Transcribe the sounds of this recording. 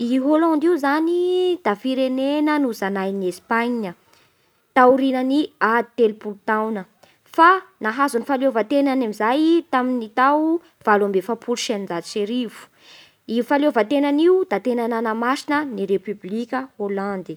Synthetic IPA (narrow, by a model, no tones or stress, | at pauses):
iɦolãnd̪iuzanid̪̥afiɾenenənuzanajniespaɲɲə | t̪auɾinəniat̪elpult̪awnə | fanaɦazunifalovat̪enanamizajt̪aminit̪aw | v̥alambefapʰuluʃannd͡zaseɾivu̥ | iufalovat̪enaniud̪̥at̪enananəmaʃinəniɾepyblikʲəholãnd̪i̥